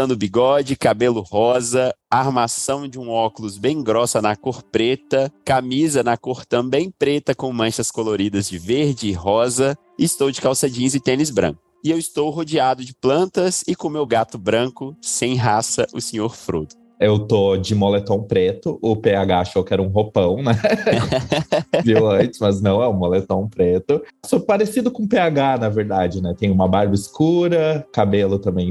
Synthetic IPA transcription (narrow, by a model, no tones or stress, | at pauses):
ɐ̃nd̪ʊbiɡɔd͡ʒɪkabelʊhɔzɐaɾmasɐ̃w̃d͡ʒɪũɔkʊlʊzbẽj̃ɡɾɔsɐnɐkoɾpɾet̪ɐkamizɐnɐkoɾt̪ɐ̃w̃bẽj̃pɾet̪ɐkõw̃mɐ̃ʃɐskoloɾid̪ɐzd͡ʒɪveɾd͡ʒɪːɦɔzɐ | ɪːst̪owd͡ʒɪkawsad͡ʒĩzɪt̪ẽnɪzbɾɐ̰̃kʊ | ɪewɪst̪owɦod͡ʒiad̪ʊd͡ʒɪplɐ̃nt̪ɐsɪkõmewɡat̪ʊbɾɐ̃kʊsẽj̃ɦasɐʔʊsẽɲoɾfɾṵd̪ʊ | ewt̪od͡ʒɪmolet̪õw̃pɾet̪ʊʔʊpeaɡaaʃowkɪɛɾɐũɦopɐ̃w̃nɛ | viwɐ̃t͡ʃɪ̥smɐznɐ̃w̃ɛũmolet̪õw̃pɾet̪ʊsopaɾesid̪ʊkõpeaɡanɐveɾd̪ad͡ʒɪnɛt̪ẽj̃ũmɐbaɾbɐiskuɾɐkabelʊt̪ɐ̃mbẽj̃